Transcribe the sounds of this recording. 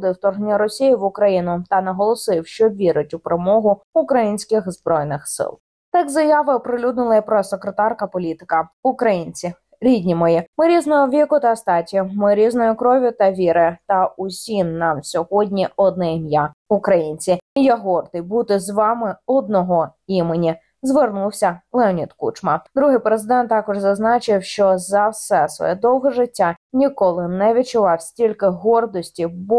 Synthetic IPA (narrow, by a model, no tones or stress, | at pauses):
d̪ɪwt̪ɔrɦnʲɐɾɔsʲijiʋʊkɾɐjinʊt̪ɐnɐɦɔlˠɔsɪwʃt͡ʃɔʋʲiɾʊtʲʊpɾemɔɦʊʊkɾɐjinʲsʲkɪxzbɾɔjnɪxsɪ̰lˠ | t̪ɑkzɐjɑʋɪɔpɾɪlʲud̪nʊlˠɐpɾɔsekɾet̪ɑrkɐpɔlʲit̪ɪ̥kɐʊkɾɐjinʲt͡sʲi | ɾʲidʲnʲimɔjimɪɾʲiznɔɦɔʋʲikʊt̪ɐst̪ɑtʲʊmɪɾʲiznɔjʊkɾɔʋʲʊt̪ɐʋʲiɾɪt̪ɐʊsʲimnɑmsʲɔɦɔdʲnʲiɔd̪nɛmjaʊkɾɐjinʲt͡sʲiijaɦɔrd̪ɪjbut̪ɪzʋɑmɪɔd̪nɔɦɔimenʲi | zʋernuwsʲɐlˠɛɔnʲit̪kṵt͡ʃmɐd̪ɾuɦɪjpɾezɪd̪ɛnt̪ːɑkɔʒzɐznɑt͡ʃɪwʃt͡ʃɔzɐwsɛsʋɔ̰jɛd̪ɔwɦɛʐɪtʲːanʲikɔlˠɪnɛʋʲit͡ʃʊʋɑwsʲtʲilʲkɪɦɔrd̪ɔsʲtʲibɔ